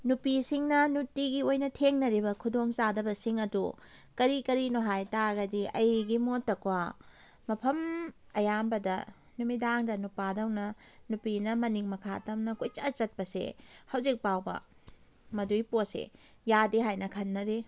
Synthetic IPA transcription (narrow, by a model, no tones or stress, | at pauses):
nupisiŋnɐnutiɡiojnɐtʰeŋnɐɾibɐkʰudoŋt͡ʃadɐbɐsiŋɐdukɐɾikɐɾinoɦajtaɡɐdiɐjɡimotːɐkwa | mɐpʰɐm | ɐjambɐdɐ̰ | numidaŋdɐnupadɐwnɐnupinɐmɐniŋmɐkʰa̰tɐmnɐkujt͡ʃɐt͡ʃɐt̚pɐsḛhɐwzik̚pawbɐ̰ | mɐdujposḛjadiɦajnɐkʰɐnːɐɾi